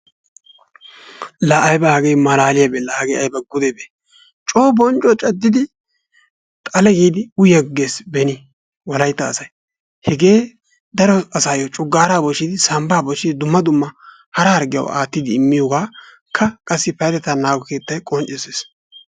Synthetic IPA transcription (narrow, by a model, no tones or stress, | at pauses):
lɐːjbɐhɐɡejmɐlaːlɪjɐbelɐhɐɡejɐjbɐɡʊd̪ebe | t͡ʃʼo̞ːbɔnt͡ʃʼːɔt͡ʃʼɐd̪ːɪd̪ɪ | t̪ʼɐlɛɡiːd̪ɪʊjɛɡːeːsbɛnɪ | wɐlɐjt̪ːɐːsɐj | hɛɡe̞ː | d̪ɐɾɔɐsaːjɔt͡ʃʼʊɡːaːɾaːbɔʃɪd̪ɪsɐmbaːbɔʃɪd̪ɪd̪ʊmːɐd̪ʊmːɐ | hɐɾɐhɐɾɡɪjɐ̰wa̰ːt̪ːɪd̪ɪɪmːɪjɔɡaː | kʰːɐkʼɐsːɪpɐjd̪ɛt̪ɐnaːɡɔke̞ːt̪ːɐjkʼɔnt͡ʃʼːɛseːs